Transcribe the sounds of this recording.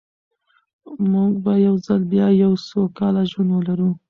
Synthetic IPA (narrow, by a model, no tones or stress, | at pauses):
muɡ̚bajawzalbjɑjawsokɑlaʒwand̪wəlaɾu